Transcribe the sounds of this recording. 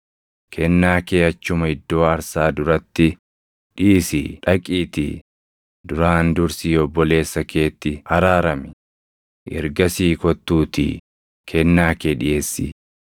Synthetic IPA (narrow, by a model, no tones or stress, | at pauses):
kʰɛnːaːkeːɐt͡ʃːʊmɐɪd̪ːo̞ːɐɾsaːd̪ʊɾɐt̪ːɪ | ᶑiːsḭːᶑɐkʼiːt̪ḭ | d̪ʊɾaːnd̪ʊɾsiːɔbːɔle̞ːsːɐke̞ːt̪ːɪhɐɾaːɾɐmɪ | ʔɪ̰ɾɡɐsiːkɔt̪ːuːt̪ḭː | kʰɛnːaːkeːᶑɪʔeːsːḭ